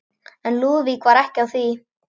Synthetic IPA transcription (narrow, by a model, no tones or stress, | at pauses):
ɛnluːvikʰvaːɾɛhcawθi